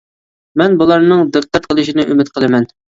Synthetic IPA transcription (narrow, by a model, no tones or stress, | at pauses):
mɛnbulˠɑɾnɨŋd̪ɨq̚qːɑt̪̚qʰəlˠɨʃinɨʔymɪt̪̚qʰəlˠɨmɛn